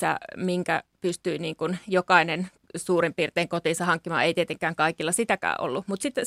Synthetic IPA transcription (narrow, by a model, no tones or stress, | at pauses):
æ̰miŋkæ̰pyst̪yiniːŋkunjokɑinen | suːrimpiːrt̪eːŋkot̪iːnsɑhɑŋkːimɑ̰ːeit̪iet̪eŋkˑæːŋkɑikilːɑsit̪ækæ̰ːʔo̰lːumut̪sit̪ː